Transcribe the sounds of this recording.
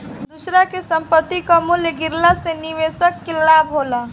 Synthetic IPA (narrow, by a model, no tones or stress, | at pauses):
d̪usɾakesəmpət̪ːikamuljəɡɪɾlaseniʋeːsəkːɪlːaːbɦola